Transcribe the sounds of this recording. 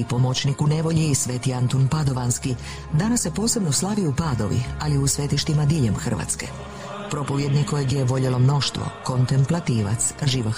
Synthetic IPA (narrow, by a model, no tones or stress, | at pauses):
ipo̞mo̞t͡ɕnikune̞ʋo̞ʎiːsʋe̞ːt̪iant̪onpad̪o̞ʋanski | d̪anasːe̞po̞ːse̞bno̞slˠaʋiupaːd̪o̞̰ʋḭaliusʋe̞t̪iʃt̪imad̪iʎe̞mxr̩ʋa̰t̪ske̞̰ | pɾo̞po̞ʋje̞d̪nikojeɡjeeʋo̞ʎelo̞mno̞ʃt̪ʋo̰ko̞nt̪e̞mplat̪iːʋa̰t̪sʒiːʋa